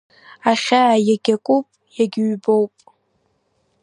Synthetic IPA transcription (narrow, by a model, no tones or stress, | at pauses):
aχʲaʕjaɡʲakʷʼupʼjaɡʲɥbowpʼ